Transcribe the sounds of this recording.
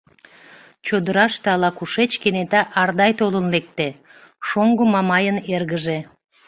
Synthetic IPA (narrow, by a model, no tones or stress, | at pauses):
t͡ɕod̪əɾɑʃt̪eɑlɑkuʃet͡ɕkenet̪ɑʔɑrd̪ɑjt̪olənlek̚t̪e | ʃoŋɡomɑmɑjənerɣəʒe